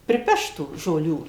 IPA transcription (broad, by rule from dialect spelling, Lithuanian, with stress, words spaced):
pʲrʲɪˈpʲɛʃt tuː ʒoːˈlʲuː